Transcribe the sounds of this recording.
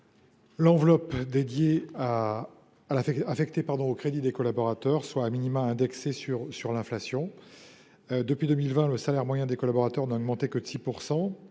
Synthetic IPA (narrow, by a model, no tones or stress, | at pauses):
lɑ̃vlɔpd̪ed̪jeaː | laɛafɛkt̪epaʁd̪ɔ̃okχed̪id̪ekɔlabɔʁat̪œʁswaːminimãɛ̃d̪ɛksesyʁsyʁlɛ̃flasjɔ̃ | d̪əpɥid̪ømilvɛ̃ləsalɛʁmwajɛ̃d̪ekɔlabɔʁat̪œʁnaɔɡmɑ̃t̪ekəsipuʁsɑ̃